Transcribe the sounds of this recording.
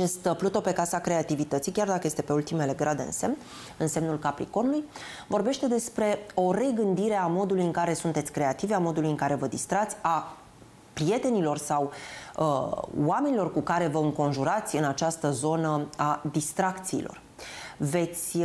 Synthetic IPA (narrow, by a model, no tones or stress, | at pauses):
at͡ʃe̞st̪plut̪o̞pe̞kasakɾe̞at̪ivit̪ət̪sijkʲard̪akəje̞st̪e̞pe̞ult̪ime̞le̞ɡɾad̪e̞ɨ̰nse̞mn | ɨnsemnulkapɾḭko̞nuluj | vo̞rbe̞ʃt̪e̞d̪e̞spɾe̞o̞re̞ɡɨnd̪iɾe̞amo̞d̪ulujɨŋkaɾe̞sunt̪e̞t̪sʲkɾe̞at̪iveamo̞d̪ulujɨŋkaɾe̞vəd̪ist̪ɾat̪sʲa | pɾie̞t̪e̞nilo̞rsawəwame̞nilo̞rkukaɾe̞vəɨŋko̞nʒuɾat̪sʲɨnat͡ʃast̪əzo̞nəad̪ist̪ɾakt̪sḭːlʔo̞̰r | ve̞t̪sʲ